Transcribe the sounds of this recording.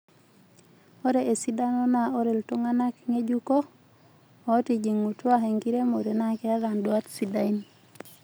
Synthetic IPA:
o˦ɾe˨ʔe˨si˦da˦nɔ˦na˨ɔ˦ɾe˨lto˦ŋa˦na˦kŋe˦d͡ʒu˦ko˦ | ɔ˨˦ti˨d͡ʒi˨ŋu˨tu˦a˦ɦe˨ŋɡi˦ɾe˦mo˨ɾe˨na˦kɛ˦a˦ða˨ndwa˦tsi˨da˦i˦n

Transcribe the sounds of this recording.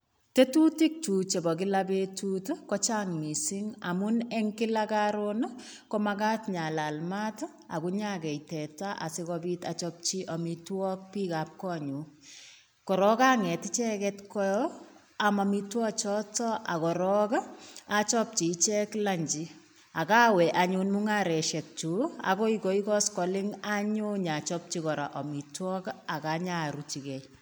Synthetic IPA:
te˦tu˦ti˦k̚tu˨t͡ʃe˨bɔ˨ki˦labetutkɔt͡ʃaŋmi˨siŋa˨mʊnɛ˦ŋkɪ˦lakaɾona | kɔmaka˦tɲa˨la˨lma˦t | a̰˨kuɲa˦kɛ˨jtɛ˨ta˦ʔa̰˨si˦kɔbitat͡ʃɔp̚t͡ʃi˦ʔɔ˨mitwɔ˦k̚pi˦ka˨p̚kɔ˦ɲu˨˦ | kɔ˨ɾɔ˦ka˦ŋɛ˨ti˦t͡ʃɛ˦kɛtkɔ˦jɔ | a˨ma˨mitwɔ˦t͡ʃɔtɔ˦ʔa˨kɔ˨ɾɔka˨t͡ʃɔ˦p̚t͡ʃi˨t͡ʃɛ˦kla˦ɲd͡ʒi˨ | a˨ka˦wɛʔaɲunmu˦ŋaɾɛ˨ʃɛ˨k̚t͡ʃu˨a̰kɔ˦ikɔ˨i˦kɔ˦skɔ˨lɪ˦ŋa˦ɲu˦ɲat͡ʃɔp̚t͡ʃikɔ˨ɾa̰ʔɔ˨mi˨twɔ˦ka˨kaɲaɾut͡ʃi˨kɛj

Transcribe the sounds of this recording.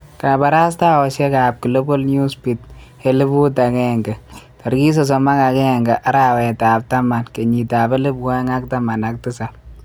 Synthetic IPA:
ɾa˨ba˨ɾa˦s̬ta˦wɔ˨ʃɛ˦ka˨p̚ki˨lo˦bɔ˦lnu˦spi˨t̚he˨lɪ˦bu˦ta˨kɛ˦˨ŋɡɛ˨tɔ˨ɾɡi˦s̬ɔ˨s̬ɔ˨ma˦ka˨kɛ˦ŋɡa˨ʔa˦ɾa˨wɛ˨ta˨b̚ta˦ma˨nke˨ɲi˨taː˨bɛ˦lɪ˦bkɔ˦ŋa˦k̚ta˦ma˨na˨k̚tɪ˦sa˨p

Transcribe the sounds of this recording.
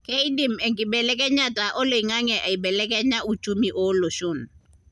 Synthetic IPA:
kɛ˦i˦di˨mɛ˨ŋkʼɪ˨bɛ˨lɛ˦k̬ɛ˦ɲa˦ta˨ʔɔ˦lo˨i˨ŋa˦ŋɛ˨ʔa˨i˨bɛ˨lɛ˦kɛ˦ɲa˦u˨t͡ʃu˦mi˨ʔɔ˦lo˨ʃʊ˦˨n

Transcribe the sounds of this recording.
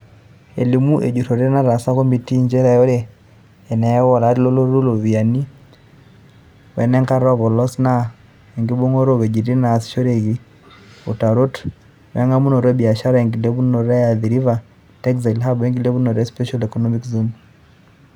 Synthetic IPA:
e˨li˨mu˦ʔe˨d͡ʒu˨ɾo˨ɾe˦na˦ɾa˨sa˦kɔ˦mi˨ti˦ɲd͡ʒɛ˦ɾa˨jo˦ɾeː˦˨ | nɛ˨ɛ˦wɔ˦˨la˨˦ɾi˦lo˦lo˦ɾo˦lo˨βia˨ni˦ | wɛ˨nɛ˦ŋka˦ɾɔ˦βɔ˨lɔ˦sna˦ | ɛ˨ŋɡi˦bo˦ŋo˦ɾo˦we˨d͡ʒi˨ɾi˦na˨si̥˨ʃo˦ɾeɣi˨ | u˨ta˨ɾo˦t | wɛ˨˦ŋa˦mu˦no˨ɾɛ˦bi˨a˨ʃa˦ɾa˦ɛŋɡi˨le˦βu˦no˨ɾɛ˦ja˨ði˨ɾi˦va˨ | tɛ˦kza˨la˦bɛ˦ŋɡi˦le˦βu˦no˨ɾɛ˦spɛ˦ʃa˦lɛ˨kɔnɔ˦mi˦kzu˦m

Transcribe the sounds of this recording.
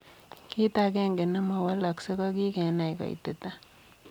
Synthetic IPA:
ki˦ta˦ke˦ŋɡe˨na˦ma˨wa˦la˨kse˦kɔ˦ki˦ke˨na˨jkɔ̰˨ḭ˨tɪ˨ta˦

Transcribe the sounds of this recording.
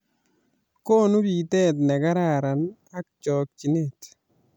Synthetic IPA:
koː˦nu˦bi˨tɛ˦t̬nɛ˨ka˦ɾa˨ɾa˨na˦k̚t͡ʃɔ˨k̚t͡ʃi˨ne˨t

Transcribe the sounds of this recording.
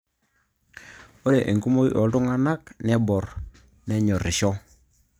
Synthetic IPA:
o˦ɾe˨ʔe˨ŋku˦mo˦jɔ̰˨du˦ŋa˦na˦knɛ˦bɔ˨r | nɛ˦ɲɔ˨ɾi˨ʃɔ˦

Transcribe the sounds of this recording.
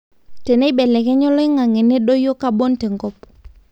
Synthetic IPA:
te˨ne˦bɛ˨lɛ˨kɛ˦ɲɔ˦lɔ˦i˦ŋa˨ŋe˨ne˦ɗo˦jo˦ka˦bo˦nte˨ŋɡɔ˦p

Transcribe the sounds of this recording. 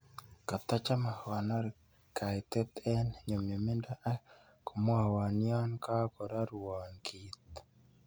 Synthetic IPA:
ka˨t̪a˦t͡ʃa˦ma˨hwa˨na˦ɾ | kʰa˨i˨t̪ɛ˦t̪ɛ˦nɲo˨mjo˨mi˦nda˦ʔa˦ | ko˨mwa˦hwa˨ni˦a˦nka˦ko˨ɾa˦ɾwwɔ˨nkʰi˨t̪

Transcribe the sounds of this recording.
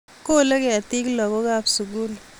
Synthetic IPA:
ko˦le˦ke˦a˨ti˦klɔ˨ko˦ka˦psu˨k̬u˦l

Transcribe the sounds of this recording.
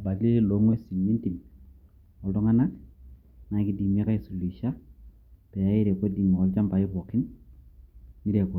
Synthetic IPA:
a˨ba˨li˦lo˨˦ŋwe˦si˨mi˦nti˨m | ɔ˨ltɔ˦ŋa˦na˦k | na˨ki˦di˨m˦e˦ka˦i˨su˨li˨ʃa˦ | tɛ˨ja˦i˦ɾe˨ko˦di˨ŋ˨ɔ˦lt͡ʃa˦mpa˨ɪ˦βɔ˨kɪ˦n | ni˦ɾe˨kɔ˨

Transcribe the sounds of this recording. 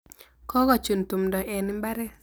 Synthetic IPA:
kɔ˦ɡɔ˦˨t͡ʃu˨nt̪u˨mdɔ˨ʔɛ˨nɪ˦mba˦ɾɛ˦

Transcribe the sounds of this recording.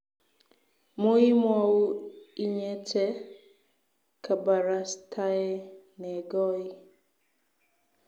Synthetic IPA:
mo˦i˦mwa˨wo˦i˦ɲɛ˦tʰɛ˦ | kʰa˨ba˨ɾa˨stʰa˦e˦ne˨ɡɔ˦i˦

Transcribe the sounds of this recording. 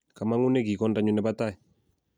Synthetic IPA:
ka˨ma˦ŋu˦nɛ˦ki˨kɔ˦nda˦ɲu˦nɛ˦ba˦ta˦j

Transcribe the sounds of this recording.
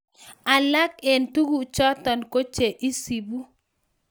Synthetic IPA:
a˨la˦kɛ˨ntu˦ɡu˨t͡ʃɔ˦tɔ˨nko˦t͡ʃe˨ʔi˦si˨bu˦

